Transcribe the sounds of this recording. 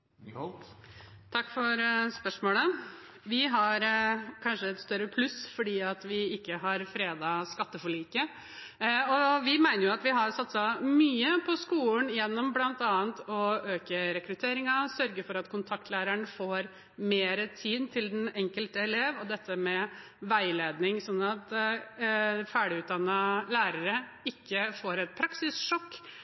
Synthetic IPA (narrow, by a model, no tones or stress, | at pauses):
t̪ʰɑkːfɔɾspœʂmoːlə | ʋɪɦɑɾkʰɑnʂəɛt̪st̪œɾːəpʰlʉsfɔɖiːɑt̪ʋɪɪkːəɦɑɾfɾeːd̪ɑskɑt̪ːəfɔɭiːkə | ɔʋɪmæɪnəɾjʊɑt̪ʋɪɦɑɾsɑt̪sɑmyːəpʰɔskuːlnjɛnːɔmblɑnt̪ɑːnt̪ɔøːkəɾɛkɾʉt̪ʰeːɾɪŋɑsœɾɡəɾfɔɾɑt̪kʰʊnt̪ʰɑkt̪ʰlæːɾæɳfoːɾ | meːɾət̪ʰiːd̪t̪ʰɪld̪ɛnɛŋkəlt̪əɛleːʋɔd̪ɛt̪ʰːəmɛ | ʋæɪleːd̪nɪŋsɔnːɑt̪ | fæːɖɪʉːt̪̚d̪ɑnːɑlæːɾəɾə | ɪkːəfoːɾɛt̪̚pʰɾɑksɪsʂɔkː